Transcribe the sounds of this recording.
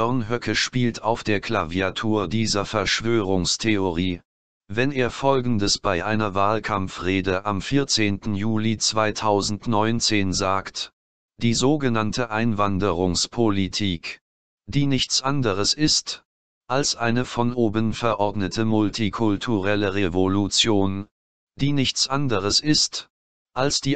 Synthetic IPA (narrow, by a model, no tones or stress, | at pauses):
œɐnɦœkʰəʃpiːltʰaʊfd̥eːɐkl̥a̰viatʰuːɐdiːzɐfɛɐʃv̥øːʁʊŋstʰeoʁiː | vɛneːɐfɔlɡŋ̩dəsb̥aɪʔaɪnɐvaːlkʰamfʁeːdəʔamfiːɐt͡seːntn̩juːlit͡sv̥aɪtʰaʊzn̩tnɔʏnt͡seːnzaːkt | d̥iːzoːɡənantəʔaɪnvandəʁʊŋspʰolitʰiːk | d̥iːnɪçt͡sʔandəʁəsɪst | ʔalsʔaɪnəfɔnʔoːbənfɛɐʔɔɐdnətʰəmʊltʰikʰʊltʰuʁɛləʁevolut͡sjoːn | d̥iːnɪçt͡sʔandəʁəsʔɪst | ʔalsd̥iː